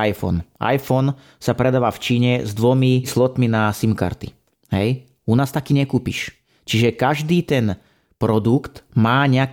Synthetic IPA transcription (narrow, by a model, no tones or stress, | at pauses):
ajfɔ̰nʔa̰jfɔn | sapɾɛd̪aːʋaːft͡ʃiːɲɛzd̪ʋɔmislɔt̪minasimka̰ɾt̪ḭ | ɦɛ̰j | unaːst̪akiːɲɛkuːpḭʃ | t͡ʃiʒɛkaʒd̪iːt̪ɛn | pɾɔd̪ukt̪maːɲɛak